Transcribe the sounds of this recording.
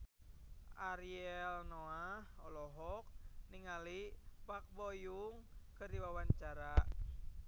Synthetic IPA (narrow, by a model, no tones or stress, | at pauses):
ʔaɾiɛlnɔahɔlɔɦɔk̚niŋalipak̚bɔjuŋkɨrdiwawaɲt͡ʃaɾa